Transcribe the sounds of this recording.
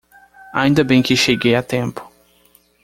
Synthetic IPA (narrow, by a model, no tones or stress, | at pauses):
a̰ĩnd̪ɐbẽj̃kɪʃeɡejat̪ẽmpʊ̥